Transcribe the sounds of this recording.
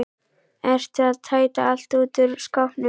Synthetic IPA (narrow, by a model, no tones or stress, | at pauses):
ɛr̥t̪ɪaðt̪ʰaːjt̪aal̥t̪uːt̪ʏɾ̥skawhpnɪ